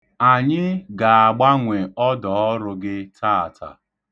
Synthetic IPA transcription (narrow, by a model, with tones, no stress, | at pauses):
a˨ɲɪ˦ɡa˨a˨ɡ͡ba˦ŋʷe˨ɔ˦dɔ˨˦ɔ˦ɾʊ˨ɡɪ˦tʰa˦˨tʰa̰˨